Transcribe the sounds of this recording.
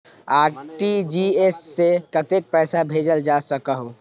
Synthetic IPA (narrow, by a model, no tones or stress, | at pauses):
aɾʈid͡ʒiesːekət̪ek̚pɛɪsabʱed͡ʒəld͡ʒasəkəɦu